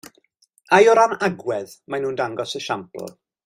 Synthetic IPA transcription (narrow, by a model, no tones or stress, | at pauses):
ajɔɾanaɡwɛð | manuːndaŋɡɔsəʃampl̩ˠ